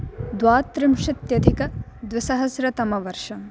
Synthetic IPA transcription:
d̪waːt̪ːɾɪmʂɪt̪jɐd̪ʱikɐd̪ʋɪsɐɦɐsɾɐt̪ɐmɐʋɐɾʂɐm

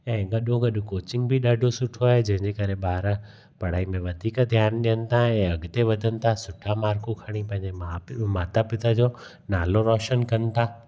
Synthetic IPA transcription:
ɛ̃ːɡɐɗõɡɐɗʊkoːt͡ɕɪ̃ŋɡbʱɪɗaɖʱosʊʈʰoaːɦed͡ʑɐ̃ɦɪ̃ɲd͡ʑekɐɾebaːɾə | pɐɽ̤aːimẽʋɐd̪ʱiːkd̪ʱjaːnɗijənɪ̆t̪ʰaɛ̃ːɐɡt̪eʋɐd̪ʱənɪ̆t̪ʰasʊʈʰamaːɾkokʰɐɽ̃ipɐ̃ɦɪ̃ɲd͡ʑeamaːt̪apɪt̪ad͡ʑoː | naːloɾɔːʃənkɐnɪ̆t̪ʰaː

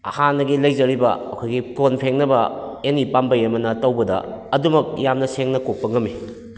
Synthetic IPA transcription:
ɐ̰hanːɐɡilɐjzɐɾibɐːkʰojɡikonpʰeŋnɐbɐenipambɐjɐmɐnɐtɐwbɐdɐ̰ɐdumɐk̚jamnɐseŋnɐkok̚pɐŋɐmi

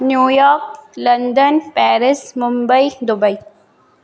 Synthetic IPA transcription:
njuːjɔːɾklɐnd̪ənpɛːɾɪsmʊmbəjd̪ʊbɐi

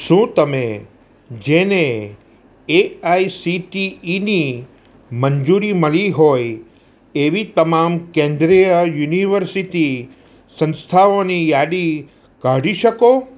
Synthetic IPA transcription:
ʃũt̪əmẽ | d͡ʒene | eaisiʈiːni | mənd͡ʒuɾiməɭiɦoj | eʋit̪əmamkẽnd̪ɾijəjuniʋəɾsiti | sə̃nst̪ʰaonijaɽi | kaɽiʃəko

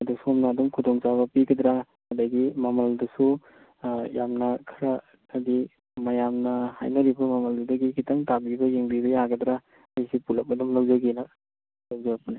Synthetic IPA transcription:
ɐduksuɔmnaːdumkʰudɔŋsaβɐpiɡɐd̪ɾa | hɐdɐɡimɐmɐldɐsu | jamnɐkʰɐɾa | adi | mɐjamnɐha̰jnɐɾibɐmɐmɐldudɐɡikʰitɐŋtabibɐjeŋbibɐjaɡɐd̪ɾa | ajsipulɐk̚mɐdumlawzɐɡina | lawzaɐpɐni

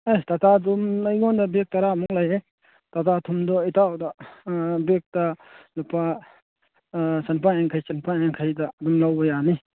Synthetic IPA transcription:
ajtatʰadumajɡɔndabek̚taɾamuŋlaje | tatatʰumdɔitʰawda | bek̚talupa | sanpaeŋkʰajsanpaeŋkʰajdaːdumlawbɐjani

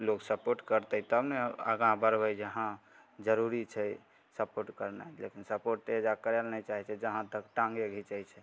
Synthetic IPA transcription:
loksəpoɾʈkəɾt̪ət̪əbneə̰ɡãbəɾbəjd͡ʒəɦã | d͡ʒəɾuɾit͡ʃʰɛ | səpoɾʈkəɾnalekinsəpoɾʈt̪ed͡ʒakəɾelnat͡ʃaɦɛt͡ʃʰɛd͡ʒəɦãt̪əkʈãŋɡeɡʱit͡ʃəjt͡ʃʰɛ

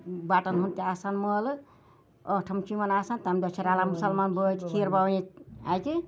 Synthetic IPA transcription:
baʈənɦunt̪iasanməl | əʈʰəmt͡ʃimənasant̪amd̪ɔt͡ʃʰeɾalamusəlmanbət̪kʰiɾbawit̪a̰jki

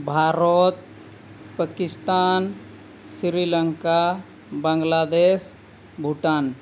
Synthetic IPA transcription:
bʱaːɾɔt̪ | pəkɪst̪aːn | sɾiləŋka | bə̃ŋɡlad̪es | bʱuʈaːn

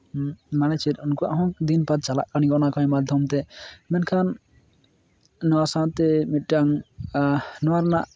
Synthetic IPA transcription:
manɛt͡ʃʰiɾunkɔa̰ʔɦɔ̃d̪inpat̪̚t͡ʃala̰ʔkanikɔnakãmad̪ʱjɔmt̪ɛmɛnkʰan | ɔwasãt̪ɛmit̪̚ˀʈaŋ | nɔwaɾnaʔ

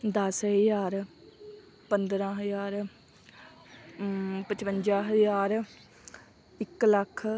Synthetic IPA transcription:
d̪ɐsɦəzaːɾ | pənd̪ɾãːɦəzaːɾ | pət͡ʃpənd͡ʒaːɦəzaːɾ | ɪkləkʰ

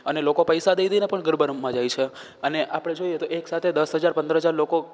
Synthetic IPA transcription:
ənelokopəjsad̪ejd̪ejnepəɳɡəɾbəɾmmãd͡ʒajt͡ʃʰe | əneʔapəɽ̃ed͡ʒojet̪oeksat̪ʰed̪əsɦəd͡ʒaɾpə̃nd̪əɾɦəd͡ʒaɾloko

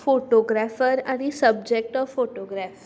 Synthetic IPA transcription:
foʈoɡɾafəɾanisəb̚d͡ʒek̚ʈɔʋfoʈoɡɾaf

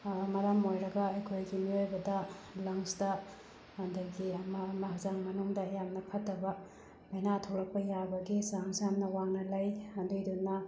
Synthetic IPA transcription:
mɐɾɐmojɾɐɡɐɐjkʰojɡimiojbɐdɐlɐŋsdɐ | hɐnduɡiɐmɐːmɐɦɐzaŋmɐnuŋdɐːjamnɐkʰɐtːɐbɐ | mɐjnatʰowɾɐk̚pɐjabɐɡisaŋsamnɐwaŋnɐlɐjhɐndujdunːɐ

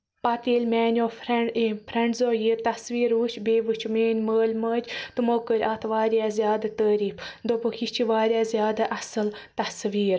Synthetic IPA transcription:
pɐt̪iːlʲmʲɛːnʲoːɾpʰɾɐɳɖzoːjiːɾt̪ɐsʋiːɾuːt͡ʃʰbeːʋɨt͡ʃʰmeːnʲməːlʲməːd͡ʒt̪ɨmoːkəɾʲat̪ʰʋaːɾʲjaːzjaːd̪at̪əːɾiːfd̪obɨkit͡ʃʰiʋaːɾʲjaːzʲjaːd̪aʔɐsɨlt̪ɐsʋiːɾ

